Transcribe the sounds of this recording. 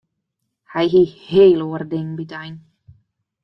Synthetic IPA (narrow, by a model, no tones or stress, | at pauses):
hajɦiːheːlˠoərdɪŋbitajn